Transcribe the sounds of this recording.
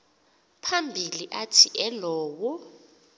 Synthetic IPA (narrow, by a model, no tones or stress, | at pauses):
pʰambʱiliʔatʰiʔɛlɔːwɔ